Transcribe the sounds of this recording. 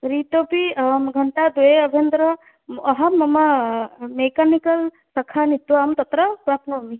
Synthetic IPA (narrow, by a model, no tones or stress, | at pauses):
ɾit̪opiɡʱɐɳʈad̪ueɐbʱend̪ɾɐ | ɐɦɐmːɐmamekanikɐl | sɐkʰanit̪ʋamt̪ɐt̪ɾɐpɾapnomi